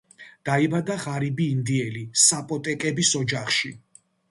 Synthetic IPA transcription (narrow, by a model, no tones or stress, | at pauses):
d̪̥aibad̪aʁaɾibiːnd̪iɛlisapʼɔt̪ʼɛkʼɛbisɔd͡ʒaχʃi